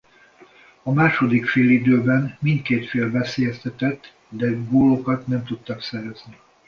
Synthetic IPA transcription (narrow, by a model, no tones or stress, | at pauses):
ɒmaːʃo̞d̪ikfeːlid̪øːbɛnmint̪̚keːt̪feːlvɛseːjɛst̪ɛt̪ɛt̪ː | d̪ɛɡoːlokɒt̪nɛmt̪ut̪ːɒksɛɾɛzni